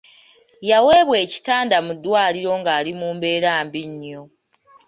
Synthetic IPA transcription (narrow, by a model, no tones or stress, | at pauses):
jawe̞ːβwe̞ːci̥taːndamudːwaːliɾo̞ŋɡaːlimuːmbe̞ːɾaːmbiɲːo̞